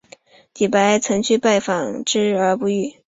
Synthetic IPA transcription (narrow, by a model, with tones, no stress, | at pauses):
t̪i˨˩pa˧˥ɪt͡sʰɤ˧˥ŋt͡ɕʰy˥˧pa˥˩ɪfɑ˨˩ŋʈ͡ʂɻ̩˥ə˞˧˥pu˧˥y˥˩